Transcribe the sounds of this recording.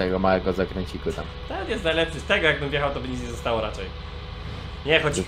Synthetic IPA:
jɛɡɔmawɛɡɔzakɾɛɲʲt͡ɕikwɘt̪am | t̪ɛt̪jɛst̪najlɛpsɨst̪ɛɡɔjaɡ̚bɘmvʲjɛxawt̪ɔbɘɲit̪ɲɛzɔst̪awɔɾat͡ʂɛj | ɲɛxɔt͡ɕ

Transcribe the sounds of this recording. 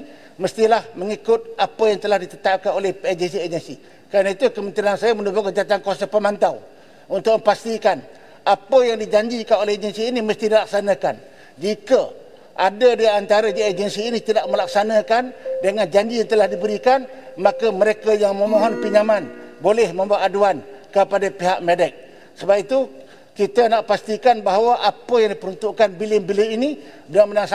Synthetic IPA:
məst̪ilahməŋikʊt̪̚ʔapəjaŋt̪əlahdit̪ət̪ap̚kanolɛhed͡ʒənsied͡ʒənsi | kɾanait̪ukəmə̃nt̪ɾiansajamənubokəd͡ʒat̪ankuasapəmant̪aw | unt̪ʊk̚mə̃mpast̪ikan | apəjaŋdid͡ʒaɲd͡ʒikanolɛhed͡ʒənsiːniməst̪idilak̚sanəkan | d͡ʒikə | ʔadədiant̪aɾəd͡ʒaed͡ʒənsiːnit̪ədaʔməlak̚sanəkandəŋand͡ʒaɲd͡ʒijaŋt̪əlahdibəɾikan | makəməɾekajaŋmə̃moɦɔnpiɲamanbolɛhmə̃mbuaʔaduankəpadapiɦaʔmedɛk̚ | səbap̚it̪u | kit̪ənaʔpast̪ikanbaɦawaʔapəjaŋdipəɾunt̪uʔkanbilɪŋbilɪini | bənamənaŋs

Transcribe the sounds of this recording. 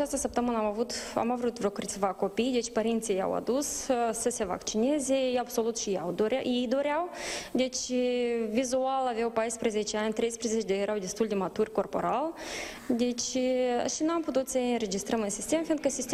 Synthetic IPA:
aast̪əsəp̚t̪əmɨnəamavut̪a̰mavɾut̪vɾʲokɨrʲt̪sʲvako̞pijd̪e̞t͡ʃʲpəɾint̪sija̰wa̰d̪ussəse̞va̰kt͡ʃine̞ze̞jabso̞lut̪ʃijawd̪oɾjejd̪o̞ɾʲawd̪e̞t͡ʃʲ | vizualaveawpajspɾeze̞t͡ʃeanʲt̪ɾe̞jspɾezet͡ʃed̪ejeɾawd̪e̞st̪uld̪e̞mat̪urʲko̞rpo̞̰ɾal | d̪e̞t͡ʃʲʃinamput̪ut̪səɨnɾe̞d͡ʒist̪ɾəmɨnsist̪e̞mfind̪̚kəsist̪e

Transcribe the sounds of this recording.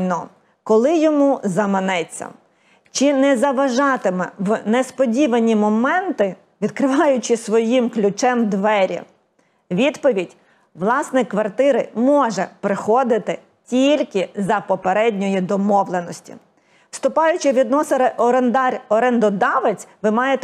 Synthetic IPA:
nɔ | kɔlˠɪjɔmuzɐmɪnɛt͡sʲːɐ̰ | t͡ʃɪnɛzɐʋɐʒɑt̪ɪmɛʋnɛspɔdʲiʋɐnʲimɔmɛnt̪ɪ | ʋʲid̪̚kɾɪʋɑjʊt͡ʃɪsʋɔjimklʲʊt͡ʃɛmd̪ʋɛɾʲḭ | ʋʲid̪pɔʋʲidʲ | ʋlˠɑsnɛkʋɐrt̪ɪɾɪmɔʒɛpɾɪxɔd̪ɪt̪ɪ | tʲilʲkɪzɐpɔpeɾɛdʲnʲɔjid̪ɔmɔʋlˠenɔsʲtʲḭ | wst̪ʊpɑjʊt͡ʃɪʋʲid̪nɔsɪɾɪʔɔɾend̪ɑɾʲɔɾɛnd̪ɔd̪ɑʋet͡sʲʋɪmɑjet̪

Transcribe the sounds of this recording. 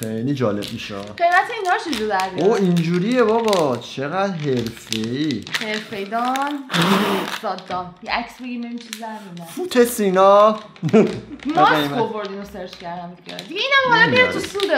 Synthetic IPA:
xejlid͡ʒɒːlḛbmiʃeɒ̰ɡe̞jmæt̪ʰeiːnhɒʃʰed͡ʒud̪æɾbioind͡ʒuːɾijebɒːbɒt͡ʃʰe̞ɣæd̪ɦe̞ɾfeiheɾfe̞jd̪ɒn | z̥ɒːd̪ːɒnjeʔæksbeɡimemit͡ʃʰizd̪æɾd̪ũnd̪æfut̪ʰesinɒ | mumejmæovoɾd̪inoseɾt͡ʃcæɾd̪æmʰḛd̪iɡeiːnæmhɔlaeɾet̪ʰusud̪e

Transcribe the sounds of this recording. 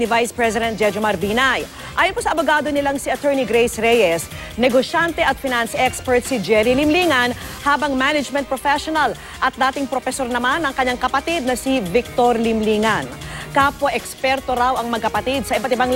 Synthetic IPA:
nɪvajspɹɛsɪd̪ɛnt̪̚d͡ʒɛd͡ʒomɐɾbiːnaj | ʔaːjonposɐʔɐboɡaːd̪onɪlaŋsiʔɐt̪ɛɹniɡɾejsɾɛjɛs | nɛɡoʃant̪ɛʔɐt̪̚fɪnansʔɛkspɛɹt̪sid͡ʒɛɾilɪmliːŋɐnhaːbɐŋmanɛd͡ʒmɛ̃n̚pɾofɛʃonɐl | ʔɐt̪̚d̪aːt̪ɪŋpɾofɛso̞ɾnɐmanɐŋkɐɲaŋkɐpɐt̪id̪̚nɐsivɪk̚t̪oɾlɪmliːŋɐnkaːpoʔɛkspɛɾt̪oɾawɐŋmɐɡ̚kɐpɐt̪id̪̚sɐʔɪbat̪ɪbaŋ

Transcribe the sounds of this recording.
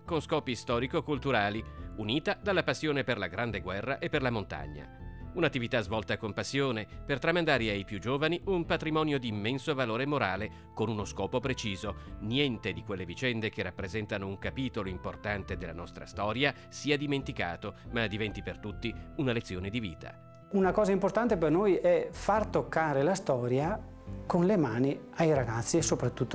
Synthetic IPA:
konskɔːpist̪ɔːɾikokult̪uɾaːliuniːt̪ad̪alːapasːjoːneperlaɡɾand̪eɡwɛrːaʔepːerlamont̪a̰ɲːa̰unat̪ːivit̪azvɔlt̪akompasːjoːnepert̪ɾamand̪aːɾeajpjud͡ʒoːvaniumpat̪ɾimɔːnjod̪iːmːɛnsovaloːɾemoɾaːle | konunoskɔːpopɾet͡ʃiːzonjɛnt̪ed̪ikwelːevit͡ʃɛnd̪ekerːapːɾezɛnt̪anouŋkapiːt̪oloimport̪ant̪ed̪elːa̰nɔst̪ɾa̰st̪ɔːɾja | siːad̪iment̪ika̰ːt̪omad̪ivɛnt̪ipert̪ut̪ːiunalet̪sːjoːned̪ivḭːt̪ʰa̰ | unakɔːzaimport̪ant̪epernojɛfart̪okːaːɾelast̪ɔːɾja | konlemaːniajɾaɡat̪sːiesːopɾat̪ːut̪ːo

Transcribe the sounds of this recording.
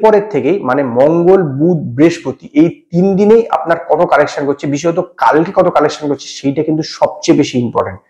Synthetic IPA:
pɔɾeɾt̪ʰːekejmanemɔŋɡolbut̪̚bɾeʃkot̪iʔejt̪ind̪ineja̰pnaɾkɔt̪okalekʃankotːt͡ɕʰebiʃ̬ɔet̪̬okalkekɔt̪okalekʃankott͡ɕʰe̥ʃejʈakint̪uʃɔb̚t͡ɕebeʃiimpɔ̰ɾʈa̰ɳʈ̚

